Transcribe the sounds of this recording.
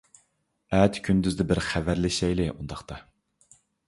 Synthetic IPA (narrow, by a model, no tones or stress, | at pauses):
ɛt̪kʲʰynd̪yzd̪ɪbɪɾχævæɾlɪʃɛjlɪʔund̪ɑχt̪ɑ